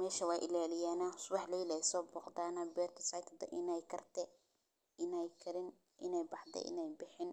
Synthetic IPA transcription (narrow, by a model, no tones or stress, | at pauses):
mɛːʃɐwɑːʔɪlaːlɪjaːnɐsʊwɑħlɐjlɛjsɔːbɔːqd̪aːnɐbɛːrt̪ʰɐ̥sajt̪ʰɐd̪ɐ̰ʔɪnɛjkʰɐrt̪ʰɛ | ɪnɛjkʰɐɾɪn | ʔɪ̰nɛjbɑħt̪ɛ̰ʔɪ̰nɛjbɪħɪn